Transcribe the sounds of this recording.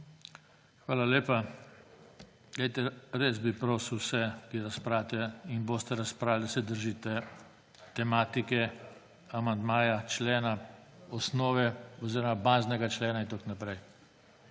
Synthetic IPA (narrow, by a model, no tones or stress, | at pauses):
xʋaːlaleːpa | ɡajt̪ɛɾeːsbipɾoːsuwsɛkiɛɾaspɾaːt̪ɛinboːst̪ɛɾaspɾawlʲd̪asɛd̪əɾʒiːt̪ɛ | t̪ɛmaːt̪ikɛ | amand̪maːjat͡ʃlɛːnaɔsnɔːʋɛɔziːɾɔmabanznɛɡat͡ʃlɛːnaint̪oknapɾɛj